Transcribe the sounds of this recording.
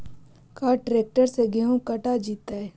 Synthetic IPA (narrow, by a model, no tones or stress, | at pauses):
kaːʈɾeːk̚ʈəɾseɡeɦõkɐʈad͡ʒiːt̪aɛː